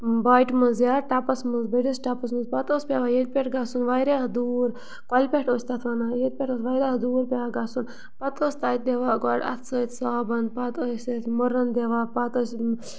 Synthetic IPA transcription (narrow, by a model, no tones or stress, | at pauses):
baːiʈmɨnzjaːɾʈapɐsmɨnzbəʈisʈapɐs̬mɨnzpɐt̪oːspʲaʋajed̪̚ʲpʲeʈɡasunʋaːjɾeːɦɐd̪uːɾ | kalʲpʲeʈoːsʲt̪at̪ʰʋanajed̪̚ʲpʲeʈot̪ʋaːjɾaɐd̪uːɾpʲaʋaɡasun | pɐt̪oːsʲt̪aːt̪̚d̪eʋaːɡaːɽɐ̰t̪ʰsət̪ʰʲsaːbɐnd̪̚pat̪əsʲɐt̪ʰmuɾɐnd̪eʋaːpat̪əsʲ